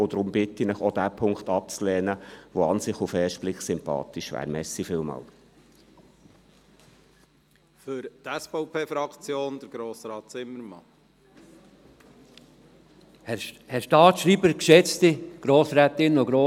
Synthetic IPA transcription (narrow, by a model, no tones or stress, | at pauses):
od̪ɾʊmbɪt̪inəχod̪æpʰʊŋkχtɑp̚t͡slɛːnəʋoɑnsɪχufɛːʃtb̥liksʏmpɑ̰ːt̪iʃʋæ̰ːɾmɛsifɪːlmɑ̰ːl | fʏɾt̪ɛsfɔʊpʰeːfɾɑkt͡sjoːnd̥̪əɾɡ̥ɾoːsɾɑːt̪t͡sɪmːəɾmɑ | hɛɾʃtɑːt̪ʃɾiːbəɾkʃɛt͡st̪ɪɡ̥ɾoːsɾɛt̪ɪnoɡɾoː